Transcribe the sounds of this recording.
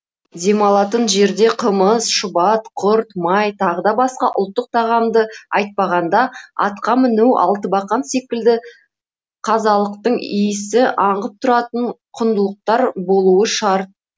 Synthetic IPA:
d̪e̞mɑlˠɑt̪ənʒe̞ɾd̪e̞qʰəməzʃʊbɑt̪qʰʊɾt̪mɑjt̪ʰɑʁəd̪ɑbɑsqɑʔʊlˠt̪ːəq̚t̪ʰɑʁɑmd̪əɑjt̪̚pɑʁɑnd̪ɑɑ̰t̪qɑmɪnuwʔɑ̰lˠt̪əbɑqɑnse̞kʲɪld̪ɪ | qʰɑzɑlˠəqt̪əɴḭjɪsɪʔɑɴʁəp̚t̪ʰʊɾɑt̪əɴqʰʊnd̪əlˠəq̚t̪ɑɾbo̞lˠuəʃɑɾt̪̚

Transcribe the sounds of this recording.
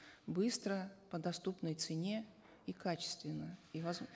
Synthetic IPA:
bɨst̪ɾəpəd̪ɐst̪upnəjt̪sɨnʲe | ikat͡ɕɪ̥st̪vʲɪnːəivɐz

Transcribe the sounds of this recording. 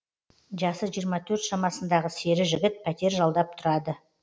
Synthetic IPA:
ʒɑsəʒijəɾmɑt̪ʰɵɾt̪ʃɑmɑsənd̪ɑʁəse̞ɾɪʒɪɡʲɪt̪̚pʰæt̪e̞ɾʒɑlˠd̪ɑp̚t̪ʰʊɾɑd̪ə

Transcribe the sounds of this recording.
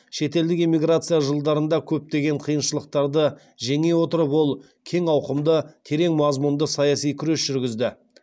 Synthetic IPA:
ʃe̞t̪e̞ld̪ɪkimʲijɡɾat̪sɨjaʒəlˠd̪ɑɾənd̪ɑkʲʰɵp̚t̪e̞ɡʲe̞ɴqʰijənʃəlˠəq̚t̪ɑɾd̪ə | ʒe̞ŋe̞wo̞t̪əɾəpwo̞lˠ | kʲʰe̞ŋɑwqəmd̪ət̪ʲʰe̞ɾe̞ŋmɑzmund̪əsɑjɑsijkʲʰʏɾe̞sʒ̥ʏɾɡʲɪzd̪ɪ

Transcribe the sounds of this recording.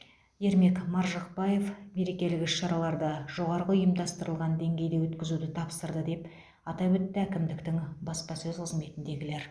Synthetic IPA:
je̞ɾme̞kmɑɾʒɑq̚bɑje̞fme̞ɾe̞kʲe̞lɪkɪʃːɑɾɑlˠɑɾd̪ɑʒo̞ʁɑɾʁəʏjəmd̪ɑst̪əɾəlˠʁɑnd̪e̞ŋɡʲe̞jd̪e̞wɵt̪kʲɪzud̪ɪt̪ʰɑpsəɾd̪əd̪e̞p | ɑt̪ɑwɵt̪ːɪækʲɪmd̪ɪkt̪ɪŋbɑspɑsɵzqʰəzme̞t̪ɪnd̪e̞ɡʲɪle̞ɾ

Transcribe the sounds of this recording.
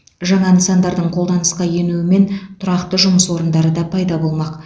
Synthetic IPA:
ʒɑɴɑnəsɑnd̪ɑɾd̪əɴqʰolˠd̪ɑnəsqɑje̞nuɪme̞nt̪ʰʊɾɑqt̪əʒʊməswo̞ɾənd̪ɑɾəd̪ɑpʰɑjd̪ɑbo̞lˠmɑq

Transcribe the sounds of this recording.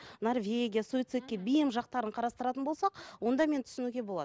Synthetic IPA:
no̞rvʲe̞ɡʲijasoit̪sɨt̪̚kʲːe̞bijɪmʒɑq̚t̪ɑɾəɴqʰɑɾɑst̪əɾɑt̪ənbo̞lˠsɑqwo̞nd̪ɑme̞nt̪ʰʏ̥sɪnuɡʲe̞bo̞lˠɑ̰d̪ə

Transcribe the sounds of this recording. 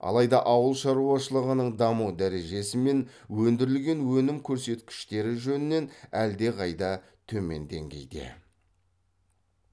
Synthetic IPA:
ɑ̰lˠɑjd̪ɑʔɑwəlˠʃɑɾuɑʃəlˠəʁənəɴd̪ɑmuwd̪æɾe̞ʒe̞sɪme̞nwɵnd̪ɪɾɪlɡʲe̞nwɵnɪmkʲʰɵɾse̞t̪kʲɪ̥ʃt̪e̞ɾɪʒɵnɪne̞næld̪e̞qʰɑjd̪ɑ | t̪ʰɵme̞̰nd̪e̞̰ŋɡʲe̞̰jd̪ḛ

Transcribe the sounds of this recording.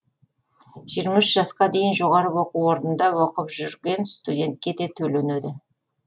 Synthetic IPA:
ʒijəɾmɑʏʃʒɑsqɑd̪e̞jɪnʒo̞ʁɑɾəwo̞quwoɾnənd̪ɑwo̞qəpʒʏɾɡʲe̞nst̪udʲe̞nt̪̚kʲe̞d̪e̞t̪ʰɵlened̪ɪ

